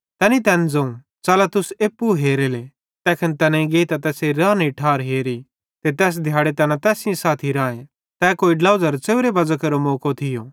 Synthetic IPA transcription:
t̪ɛːnit̪ɛːnd͡zɐ̃ũ | t͡ʃaːlat̪ʊseːpːuɦeːɾeːle | t̪ɛːkʰɐnt̪ɛːnãiɡeːit̪at̪ɛːseɾãːniʈʰaːɾɦeːɾi | t̪et̪ɛːs̬d̪ʱjaːɽet̪ɛːnãt̪ɛːsɪ̃jõsaːt̪ʰiɾãːẽ | t̪ɛːkoːiɖlaːʊzɐɾt͡seːʊɾebɐd͡ʒakɐɾomoːkot̪ʰɪjõː

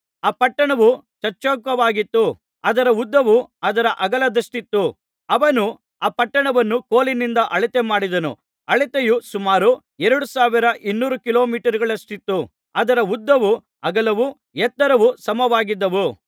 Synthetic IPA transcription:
aːpɐʈːɐɳɐʋu | t͡ʃɐɾt͡ʃoːkʋɐʋaːɡit̪ːu | ɐd̪ɐɾɐud̪ːɐʋuɐd̪ɐɾɐʔɐɡɐlɐd̪ɐsʈit̪ːu | ɐʋɐnu | aːpɐʈːɐɳɐʋɐnːukoːlinind̪ɐʔɐɭit̪emaːɽid̪ɐnṵ | ɐɭit̪ejusumaːɾu | ɛɾɐɽusaːʋiɾɐʔinːuːɾukilo̞ːmiːʈɐɾiɡɐɭɐsʈit̪ːu | ɐd̪ɐɾɐud̪ːɐʋu | ɐɡɐlɐʋu | ɛt̪ːɐɾɐʋusɐmɐʋaːɡid̪ːɐʋu

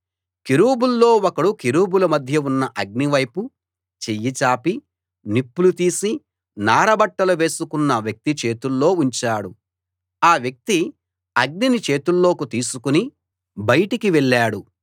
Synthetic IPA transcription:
kiɾuːbulːo̞ːɔkɐɽukiɾuːbulɐmɐd̪ʱjɐunːɐʔɐɡ̚niʋɐjpu | t͡ʃejːit͡ʃaːpi | nipːulut̪iːsi | naːɾɐbɐʈːɐluʋe̞ːsukunːɐʋjɐk̚t̪it͡ʃe̞ːt̪ulːo̞ːuɲt͡ʃaːɽu | aːʋjɐk̚t̪i | ɐɡ̚ninit͡ʃe̞ːt̪ulːo̞ːkut̪iːsukuni | bɐjɐʈikiʋɛɭːaːɽu

